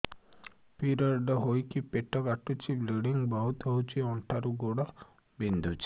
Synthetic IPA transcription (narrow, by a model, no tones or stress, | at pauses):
piɾɔɾɖɔɦojkipeʈɔkaʈut͡ʃʰibliɽiŋbawt̪ɦowt͡ʃʰiɔɳʈʰaɾuɡoɽɔ | bind̪ʱut͡ʃʰi̥